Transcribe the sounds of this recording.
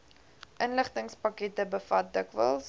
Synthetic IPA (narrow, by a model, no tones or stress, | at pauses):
ʔənləχtəŋspɐkɛtəbəfɐt̚dəkvə̰lˠs